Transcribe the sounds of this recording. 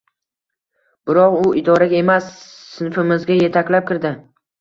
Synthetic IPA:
b̥ɪɾɒqʊɪd̪ɒɾaɡʲae̞masː | ɪnfɪmɪzɡʲaje̞t̪ʰakʲlap̚kʲɪɾd̪ɪ

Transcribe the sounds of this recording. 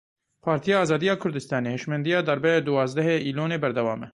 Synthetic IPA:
pʰɑːɾt̪ʰijɑːɑːzɑːd̪ijɑːkʰʊɾd̪ɨst̪ɑːneːheːʃmɛnd̪ijɑːd̪ɑɾbɛd̪uwɑːzd̪ɛɦeːiːloːneːbɛɾd̪ɛwɑːmɛ

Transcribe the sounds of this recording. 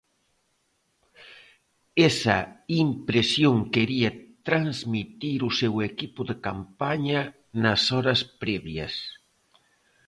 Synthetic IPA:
esɐimpɾesjoŋkeɾiɐt̪ɾanzmit̪iɾusewekipuðekampaɲɐ | nɐsɔɾɐspɾɛβjɐ̰s

